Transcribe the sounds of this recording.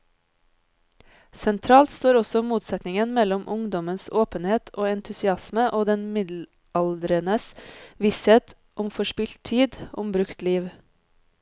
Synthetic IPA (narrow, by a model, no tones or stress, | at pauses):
sɛnt̪ʰɾɑːlt̪st̪oːɾɔsɔmuːt̪sɛt̪nɪŋənmɛlɔmʔʊŋd̪ɔmənsoːpənheːt̪ʰoːɛnt̪ʰʉsɪɑsməʔoːd̪ɛnmɪd̪l̩ | ʔɑld̪ɾənəsʋisheːt̪ | ʔʊmfɔʃpɪlt̪ʰiːd̪ʔʊmbɾʉkt̪liːʋ